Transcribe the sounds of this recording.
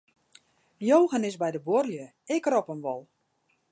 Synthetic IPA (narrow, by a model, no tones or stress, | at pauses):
joːwɣənɪsbɛjdəbʊrljə | ɪkrɔpəmʋɔlˠ